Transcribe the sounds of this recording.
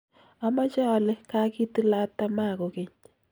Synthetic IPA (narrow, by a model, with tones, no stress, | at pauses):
a˦ma˦t͡ʃa˦˨le˦ka˦ki˦tɨ˦la˦tːa˦ma˦˨ko˨ke˦ɲ